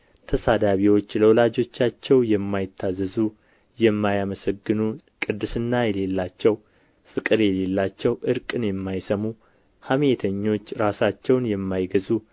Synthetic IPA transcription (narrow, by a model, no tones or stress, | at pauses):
t̪ʰəsad̪aβiwo̞t͡ʃːləwɔlad͡ʒo̞t͡ʃːat͡ʃːɛwjɛmːajɪt̪ʰːazɨzu | jɛmːajaməsəɡːɨnu | kʼɨd̪ːɨsɨnːajɛle̞lːat͡ʃːɛw | fɨkʼɨɾjɛle̞lːat͡ʃːɛwʔɨɾkʼɨnjɛmːajsəmu | hamet̪ʰəɲːo̞t͡ʃːɾasat͡ʃːɛwnjɛmːajɡəzu